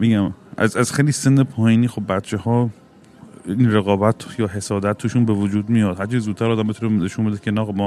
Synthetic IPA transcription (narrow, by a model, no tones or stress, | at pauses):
miɟæmʔæ̰zæzxejlisenːepʰɒːhiniːxo̞bːæt̪t͡ʃʰehɒː | inɾeɣɒːbæt̪ʰjɒːɦe̞sɒːd̪æt̪̚ʰːuʃunbevod͡ʒuːd̪mijɒd̪hæɾt͡ʃʰiːzzuːt̪̚ʰt̪ʰːæɾɒːd̪æmbet̪ʰuɾeneʃunbed̪ecʰenæɣmɔ